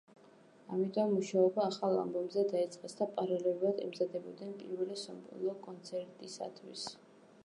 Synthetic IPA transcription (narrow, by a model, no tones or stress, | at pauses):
amit̪ʼɔmːuʃaɔbaːχalˠa̰mbɔmzɛd̪ait̪sʼqʼɛsd̪apʼaɾalɛlˠuɾad̪ɛmzad̪ɛbɔd̪nɛnpʼḭɾvɛlɛsɔ̰mpʼṵlˠɔkʼɔnt̪sʰɛɾt̪ʼisa̰t̪ʰwḭs